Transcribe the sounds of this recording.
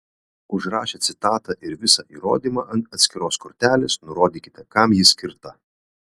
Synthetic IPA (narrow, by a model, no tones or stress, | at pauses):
ʊʒɾɑːʃʲeːt̪sʲɪt̪ɑːt̪ɑʔɪɾʋʲɪsɑʔiːɾo̰ːd̪ʲiːmɑːʔɐnt̪ɐt̪sʲkʲɪɾoːskɔɾʲt̪ʲæːlʲeːsnʊɾoːd̪ʲiːkʲɪ̥t̪ʲɛkɑmjɪsʲkʲɪɾt̪ɐ